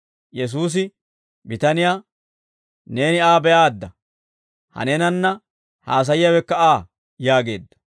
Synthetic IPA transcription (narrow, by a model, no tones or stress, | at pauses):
jɛs̬uːs̬ɪ | bɪt̪ɐnɪjaː | ne̞ːnɪaːbɛjaːd̪ːɐ | hɐ̰nɛnɐnːɐ | haːs̬ɐjɪjɐwɛkːɐaː | jaːɡe̞̰ːd̪ːɐ̥